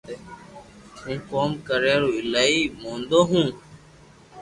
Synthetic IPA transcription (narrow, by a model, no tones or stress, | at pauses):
ũːkoːmkəɾeːɾoːɪlaːiːmõːnd̪oːɦũː